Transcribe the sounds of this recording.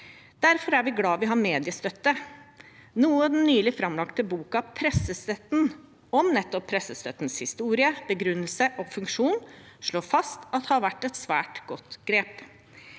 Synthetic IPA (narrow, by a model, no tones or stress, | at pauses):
d̪̥æɾfɔɾæɾʋɪɡlɑːʋɪɦɑɾmeːd̪ɪəst̪œt̪ːə | nuːəɑd̪ɛnnːyːlɪfɾɑmlɑkt̪əbuːkɑɑpʰɾɛsːəst̪œt̪n̩ | ɔmnɛt̪ːɔpʰːɾɛsəst̪œ̰t̪nshɪst̪uːɾɪəb̥əɡɾʉnːəlsəʔɔfʉŋkʂuːnʂɭoːɾfɑst̪ɑt̪hɑɾʋæʈːɛt̪sʋæ̰ːʈɡ̥ɔt̪ɡ̥ɾeːp